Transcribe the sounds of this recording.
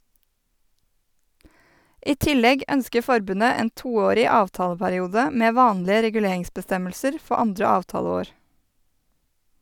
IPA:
ˈʔiː ˈtɪlɛɡ ˈœnskə ˈfɔɾbʉnə ˈeːn ˈtuːˌoːɾɪ ˈɑːʋtɑːləpæɾɪˌuːdə ˈmeː ˈʋɑːnlɪə ɾɛɡʉˈleːɪŋsbəˌstɛməlsəɾ ˈfɔ ˈɑndɾə ˈɑːʋtɑːləˌoːɾ

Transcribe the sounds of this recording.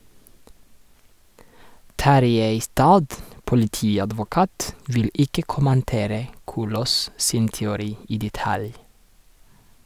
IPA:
ˈtɑɾjeɪ ɪˈstɑːd pʊlɪˈtiːɑdʋʊˌkɑːt ˈʋɪl ˈɪkə kʊmənˈteːɾə ˈkuːloːs ˈsɪn tɛʊˈɾiː ˈiː dɛˈtɑl

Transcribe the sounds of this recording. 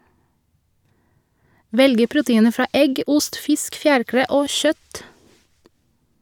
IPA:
ˈʋɛlɡə ˈpɹʊtəˌiːnə ˈfɹɑː ˈʔɛɡ ˈʊst ˈfɪsk ˈfjæːɹˌkɾeː ˈʔoː ˈʃœt

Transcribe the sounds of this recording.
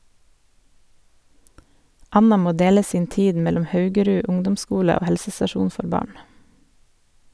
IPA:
ˈɑnɑ ˈmoː ˈdeːlə ˈsiːn ˈtiːd ˈmɛlɔm ˈhɑʉɡəˌɾʉ ˈʊŋdʊmˌskuːlə ˈoː ˈhɛlsəsɑˌʃuːn ˈfɔɾ ˈbɑːɳ

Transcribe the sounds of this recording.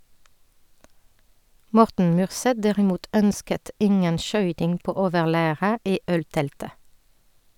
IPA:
ˈmɔʁtn̩ ˈmyːʁˌsɛt ˈdæʁɪˌmuːt ˈœnskət ˈɪŋən ˈʃœʏtɪŋ ˈpoː ˈoːʋəʁˌlæːʁə ˈiː ˈœlˌtɛltə

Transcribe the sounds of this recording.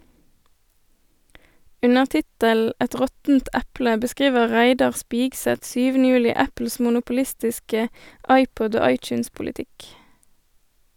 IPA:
ˈʉnəʁ ˈtɪtəl̩ ˈɛt ˈʁɔtn̩t ˈɛplə bəˈskʁiːʋə ˈʁæɪdɑʁ ˈspiːɡsɛt ˈsyːʋənə ˈjʉːlɪ ˈæpl̩s mʊnʊpʊˈlɪstɪskə ˈɑɪˌpɔd ˈoː ˈɑɪˌt͡ʃʉːnspʊlɪˌtɪk

